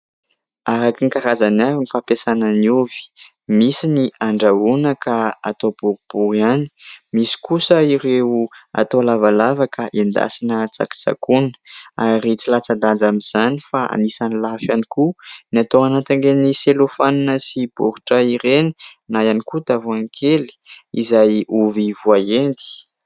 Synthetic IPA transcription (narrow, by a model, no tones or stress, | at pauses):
aɾakiŋkaɾazanavinifapesananiuvi̥ | misiniʔaɳɖ͡ʐaunəkaa̰t̪ob̥uɾub̥uɾiani̥misi̥kusəiɾewua̰t̪oalavalavakʰaʔend̪a̰sinət͡sa̰ki̥t͡sa̰kunə̥aɾit͡silat͡sad̪and͡zamiz̥anifaa̰nisanilafanikunat̪oanat̪aŋɡeniselofaninəsibuɾu̥ʈ͡ʂəiɾeninajanikut̪avuaŋkʰeli̥ḭzajuvivuaend̪i̥